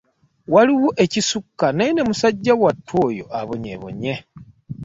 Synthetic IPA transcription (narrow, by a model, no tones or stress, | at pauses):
waliwoʔecisukːanaine̞musaɟːawatːwo̞ːjo̞̰ʔaβoɲḛβo̰ɲe